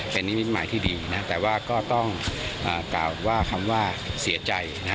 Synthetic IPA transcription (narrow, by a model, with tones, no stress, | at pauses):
pe˧nːi˦˥ni˦˥t̪̚maː˩˦jt̪ʰiː˥˩diː˧na˦˥t̪ɛː˨˩waː˥˩kɔː˥˩t̪ɔ˥˩ŋʔəː˨˩kla̰ː˨˩wwaː˥˩kʰa˧mwaː˥˩si˨˩˦ɐt͡ɕa˧jna˦˥